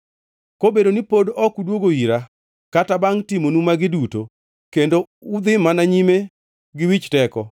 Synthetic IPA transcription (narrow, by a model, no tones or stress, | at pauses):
kobedonipodɔkudwoɡoiɾa | katabaŋtimonumaɡɪduto̰ | kendo | ʊd̪ɪmanaɲime | ɡɪwit͡ʃtɛkɔ